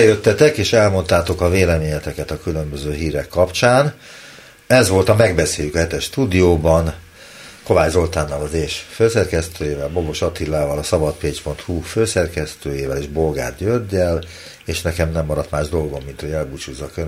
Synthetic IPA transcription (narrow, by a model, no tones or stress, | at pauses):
ɛjøt̪ːɛt̪ɛkeːʃɛlmo̞nt̪aːt̪o̞kɒveːlɛmeːɲɛt̪ɛkɛt̪ɒkylø̞mbøzøːɦiːɾɛkːɒpt͡ʃaːn | ɛzʋo̞lt̪ɒmɛɡbɛseːljykɒhɛt̪ɛʃt̪uːd̪ijoːbɒn | ko̞vaːjzo̞lt̪aːnːɒlɒzeːʃføːsɛrkɛst̪øːjeːvɛlbo̞bo̞ʃɒt̪ilːaːvɒlɒsɒbɒt̪peːt͡ʃpo̞nt̪huføːsɛrkɛst̪øːjeːvɛleʒbo̞lɡa̰ːt̪jørɟɛl | eːʃnɛkɛmnɛmːɒɾɒt̪maːʒd̪o̞lɡo̞mːint̪ho̞ɟɛlbut͡ʃuːzːɒkø